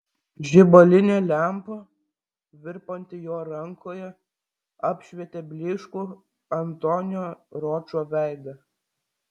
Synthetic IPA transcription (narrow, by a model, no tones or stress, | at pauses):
ʒʲɪbolʲɪnʲeːlʲæˑmpoː | ʋʲɪɾpɐnʲt̪ʲɪjoːɾɐŋkʰoːjɛ | ɑpʲʃʲʋʲiɛt̪ʲebʲlʲɪʃkuː | ɐnt̪onʲoːɾoːt͡ʃoːʋʲæˑɪd̪ɐ